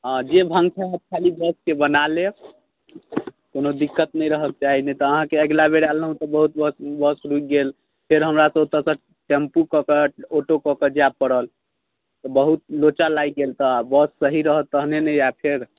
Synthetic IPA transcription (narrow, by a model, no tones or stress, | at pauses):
ãd͡ʒebʱəŋɡsʰaɦət̪̚kʰalibəskebənale | konod̪ikːət̪nəjɾəɦək̚t͡ʃaɦinet̪ɔəɦãkeəɡlabeɾalɦũt̪ɔbəɦut̪̚bəsbəsɾuk̚ɡel | pʰeɾɦəmɾasəot̪ə̃sə̃ | ʈempukɔkəoʈokɔkəd͡ʒapːəɽəl | t̪ɔbəɦut̪̚lot͡ʃalaiɡelt̪ɔabəsːəɦiɾəɦət̪əɦnenəjapʰeɾ